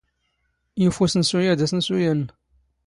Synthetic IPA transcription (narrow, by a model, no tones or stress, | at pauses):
jifusənsujad̪asənsujən